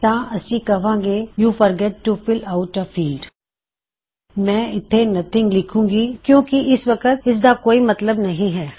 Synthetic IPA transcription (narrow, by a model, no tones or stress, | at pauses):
t̪ãːɐsĩkɐʋãːɡejuːfəɾɡɛʈːufɪlaʊʈəfiːlɖ | mɛ̃ːɪt̪ʰːenɐt̪ʰɪ̃ŋɡlɪkʰũːɡiːkjõːkiʔɪsʋɐkət̪ɪs̬d̪akoːimɐt̪ləbnɐɦĩɦɛː